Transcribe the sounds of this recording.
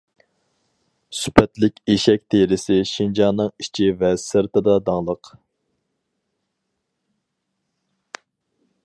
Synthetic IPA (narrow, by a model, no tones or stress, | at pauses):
sypʰɛt̪lɪkʲeʃɛk̚ʲt̪ʰeɾɪsɪʃind͡ʒɑnːɨŋit͡ʃʰivɛsɨɾt̪ɨd̪ɑd̪ɑŋlˠəq